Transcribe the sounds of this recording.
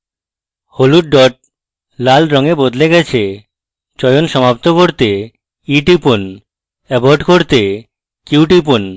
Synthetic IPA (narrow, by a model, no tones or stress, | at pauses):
holuɖɖɔʈ̚ | lalɾɔŋebod̪leɡɛt͡ɕʰe | t͡ɕɔejonʃɔmap̚t̪okoɾt̪e | iʈipun | ɛboɾɖkoɾt̪e | kiuwʈ̬ipun